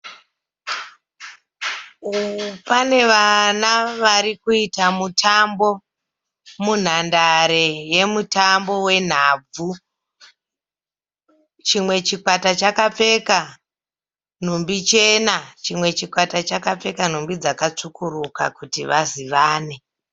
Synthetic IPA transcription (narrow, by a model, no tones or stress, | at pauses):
pane̞ʋanaʋaɾikuitamutʰambo̞ | mun̤andaɾe̞je̞mutambo̞we̞n̤aːb͡vu | t͡ʃimwe̞t͡ʃikwatat͡ʃakap͡fe̞ka | n̤umbit͡ʃenat͡ʃimwe̞t͡ʃikwatat͡ʃakap͡fe̞kan̤umbid͡zakat͡ʂukuruka̰kutiʋaziʋaːne̞